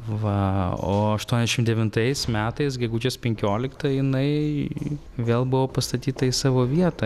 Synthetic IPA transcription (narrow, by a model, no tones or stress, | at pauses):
ʋɐo̰ːɐʃt̪uɔnʲɛzʲɛʃɪmd̪ʲɛʋʲɪnt̪ɐɪsmʲæːt̪ɐɪsɡʲɛɡuːd͡ʒʲeːspʲɛŋʲkʲoːlʲɪkt̪ɐjɪnɐɪ | ʋʲeːlˠbʊʋoːpɐst̪ɐt̪ʲiːt̪ɐɪsɑːʋoːʋʲiɛt̪ɐ